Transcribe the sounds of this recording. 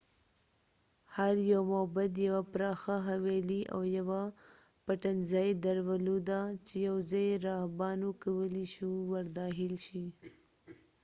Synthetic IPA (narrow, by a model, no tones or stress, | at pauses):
haɾjawmobad̪jawapɾɑxaɦaweliʔa̰wjawa | paʈanzajed̪aɾwalod̪at͡ʃejawzɑjeɾɑhbɑnukawəliʃuwaɾd̪ɑɦɪlʃi